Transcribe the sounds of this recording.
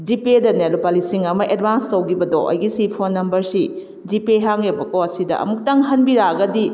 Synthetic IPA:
d͡ʒipedɐnelupalisiŋɐmɐʔed̚banstɐwɡibɐdo̰ʔɐ̰jɡisipʰonːɐmbɐɾsi | d͡ʒipeɦaŋebɐkoɐsidɐ̰ɐ̰muk̚tɐŋɦɐnbiɾaɡɐdi

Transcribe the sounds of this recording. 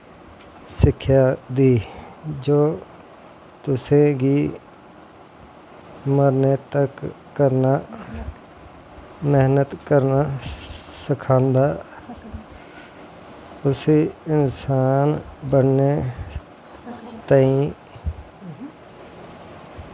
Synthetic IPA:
sɪkʰjaːd̪iːd͡ʒoː | t̪ʊsẽɡiː | məɾnet̪əkː | əɾna | meɦnət̪kəɾna | sɪkʰãːnd̪aː | ʊsiɪnsaːnbəɽne | t̪əĩ

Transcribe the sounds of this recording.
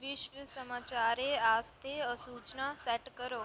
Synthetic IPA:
ʋɪʃʋəsəmaːt͡ʃaːɾeaːst̪ʰeəsuːt͡ʃnaːsɛʈkəɾoː

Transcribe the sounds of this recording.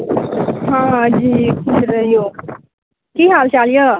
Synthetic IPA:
ɦãd͡ʑiːkʰisɾəjo | kiɦalt͡ɕaljə

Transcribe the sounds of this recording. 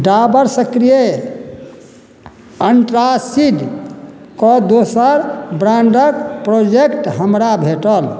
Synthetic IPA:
ɖabəɾsəkɾije | əɳʈɾasiɖ | kɔd̪osəɾbɾãɳɖəkpɾod͡ʒekʈɦəmɾabʱeʈəl

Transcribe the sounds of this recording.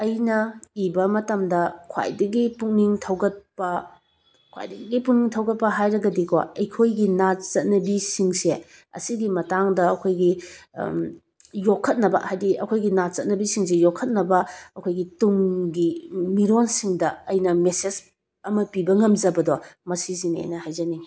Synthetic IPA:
ɐjnɐibɐmɐtɐmdɐkʰwa̰jdɐɡipuŋniŋtʰɐwɡɐt̚pɐ | kʰwa̰jdɐɡipuŋniŋtʰɐwɡɐt̚pɐɦajɾɐɡɐdikʰɔ̰ɐjkʰojɡinat͡ʃɐt̚nɐbisiŋse | ɐ̰siɡimɐtaŋdɐɐkʰojɡi | jokʰːɐt̚nɐbɐ̰hajdiɐkʰojɡinat͡ʃɐt̚nɐbisiŋs̬ejokʰːɐt̚nɐbɐɐkʰojɡituŋɡimiɾonsiŋdɐːjnɐmeses | ɐmɐpibɐŋɐmd͡ʒɐbɐdomɐsizinḛjnɐhajzɐniŋ

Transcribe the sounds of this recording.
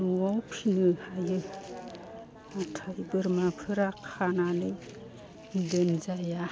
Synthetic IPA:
uawpʰinɯhajɯ | utʰajbɯɾmapʰɯɾakʰananɯj | dɯnzaja

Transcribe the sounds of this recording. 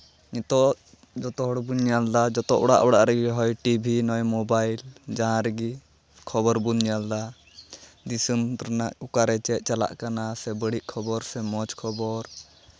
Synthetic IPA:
ɲɛt̪ɔ | d͡ʒɔt̪ɔɦɔɽbuɲɲald̪ad͡ʒɔt̪ɔʔɔɽa̰ʔbɔɽa̰ʔɾɛɡiɦɔjʈibʱinɔjmɔbajld͡ʒaɦãɾɛɡi | kʰɔbɔɾbunɲjald̪a | d̪isəmtɾnaʔukaɾɛt͡ʃɛt̪̚ˀt͡ʃala̰ʔkanasɛbəɽiʔkʰɔbɔɾsɛmɔt͡ʃkʰɔbɔɾ

